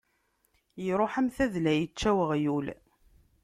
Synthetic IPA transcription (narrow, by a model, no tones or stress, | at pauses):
jɾˤoħæmθæðlæjət͡ʃːæwəʁjul